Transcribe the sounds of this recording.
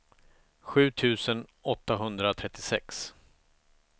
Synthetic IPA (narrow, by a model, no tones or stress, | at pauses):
ɧʉ̟ːt̪ʰʉ̟ːsənɔt̪ːaɦɵnd̪ɾaɔt̪ʰɾɛt̪ːɪsɛks